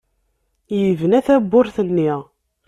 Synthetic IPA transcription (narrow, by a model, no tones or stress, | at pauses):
jəvənæθæbːʊɾθənːiʁ